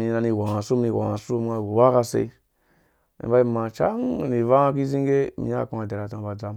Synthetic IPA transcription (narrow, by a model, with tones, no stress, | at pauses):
i˨na˧ni˨wa˨ŋa˨su˦mni˨wa̰˨ŋa˨su˦m˦ŋa˨ɡu˨wa˦ka˦sḛ˨i˦ | ḭ˨ba˦i˦ma˨t͡ʃa̰˦ŋ˨ni˨va˦a˦k̬i˦zi˦ŋɡe˦mḭ˨˦a̰˦˨ku˦ŋa˨de˨ɾa˨ta˨ŋ˨ba˨d͡za˨˦m